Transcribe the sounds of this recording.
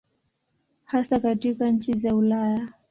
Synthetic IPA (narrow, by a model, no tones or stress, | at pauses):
hasakatikaɲ̩t͡ʃizaulaja